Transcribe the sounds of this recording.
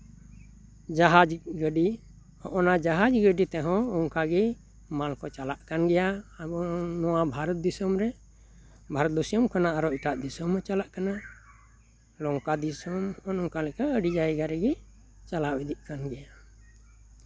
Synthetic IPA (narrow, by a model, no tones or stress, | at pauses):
d͡ʒaɦad͡ʒɡəɖi | hɔ̃ʔɔnad͡ʒaɦad͡ʒɡəɖit̪ɛɦɔ̃ɔŋkaɡɛ | malkɔt͡ʃalaʔkanɡɛjaabɔnɔwabʱaɾɔt̪̚d̪isɔmɾɛ | bʱaɾɔt̪̚d̪ɔsijɔmkanaaɾɔiʈaʔd̪isɔmɔt͡ʃalaʔkana | lɔŋkad̪isɔmɔnɔŋkalɛkaəɖid͡ʒaɛɡaɾɛɡɛ | t͡ʃalawid̪iʔkanɡɛja